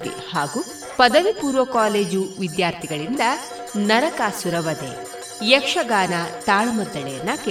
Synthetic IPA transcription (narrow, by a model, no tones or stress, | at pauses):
ḭhaːɡu | pɐd̪ɐʋipuːɾʋɐkaːleːd͡ʒuʋid̪jaːɾt̪ʰiɡɐɭind̪ɐ | nɐɾɐkaːsuɾɐʋɐd̪ḛ | jɛkʂɐɡaːnat̪aːɭmɔd̪ːɐɭḛːnaːke